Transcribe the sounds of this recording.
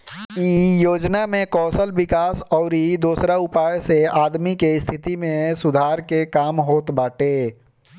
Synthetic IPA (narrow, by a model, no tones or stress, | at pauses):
ijoːd͡ʒnamẽkɔːsəlʋɪkaːsɔːɾid̪uːsɾaʊpaːjseaːd̪mikeɪst̪ʰɪt̪imẽsʊd̪ʱaːɾkekaːmɦoːt̪baːʈeː